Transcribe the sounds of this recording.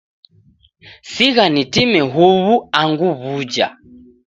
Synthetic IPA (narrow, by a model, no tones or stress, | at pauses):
siɣanitimɛɦuβuaŋɡuβud͡ʒa̰